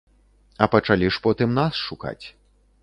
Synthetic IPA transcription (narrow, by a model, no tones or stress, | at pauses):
ɐpɐt͡ʂalʲiʂpɔt̪ɨmnasʂuka̰t͡sʲ